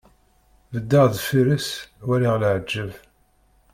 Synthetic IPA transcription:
vəd̪ːaʁðfiɾəswæɾiʁlʕəd͡ʒːəv

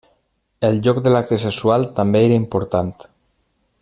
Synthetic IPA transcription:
elʎɔk̚d̪elak̚t̪eseksualˠt̪ambeeɾaimpoɾt̪ant̪

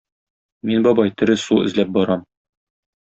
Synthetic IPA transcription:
minbɒbɑjt̪ɵ̆ɾɘsuɘ̆zlæp̚bɒɾɑm

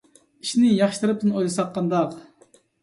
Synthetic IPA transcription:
iʃnɪjɑχʃi̥t̪ɨɾɨp̚t̪ɨnojlˠɨsɑqːɑnd̪ɑq

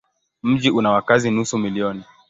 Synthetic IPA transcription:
m̩d͡ʒiʔunawakazinusumiliɔni

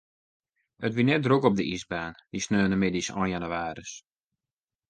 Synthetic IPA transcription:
ətʋinɛt̚drukɔb̚dəisbaːndisnøːnəmɪdisɔ̰njanəwaːrəs

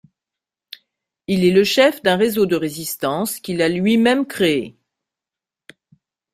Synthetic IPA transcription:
ilɛləʃɛfd̪ɛ̃ʁezod̪əʁezist̪ɑ̃skʲilalɥimɛmkχeḛ

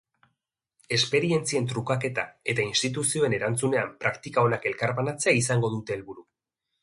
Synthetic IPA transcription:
e̞spe̞ɾie̞nt͡sie̞nt̪ɾukake̞t̪ae̞t̪ainst̪it̪̬usio̞e̞ne̞ɾant͡sune̞ampɾakt̪ikao̞nake̞lkaɾβanat͡se̞ais̬aŋɡo̞ðut̪e̞ːlβuɾu

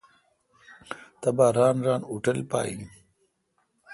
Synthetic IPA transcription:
t̪ɐbaːɾaːnɾaːnuʈɐlpa̰ːḭ

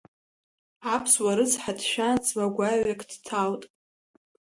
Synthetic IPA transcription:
apʰswaɾɨt͡sħadʰʃᶣat͡sʼvaɡʷaɥakʰʼdtʰawtʼ

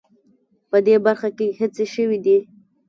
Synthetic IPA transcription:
pəd̪ebaɾxakehat͡seʃəwid̪i

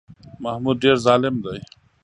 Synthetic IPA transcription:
mɐhmuːd̪̚ɖeɾzaːlɪmd̪ɐj

